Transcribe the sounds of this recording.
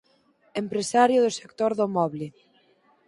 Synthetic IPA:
empɾesaɾjʊðose̥kt̪oɾðomɔβle

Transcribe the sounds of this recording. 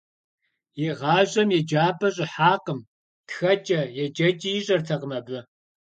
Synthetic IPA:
jɛʁɑːʑʼɐmjɛd͡ʒaːbɐɕʼɪħaːqəm | txɐt͡ʃʼɐjɛd͡ʒɐt͡ʃʼijɪɕʼɐrtʰɐqəmɐbɨ

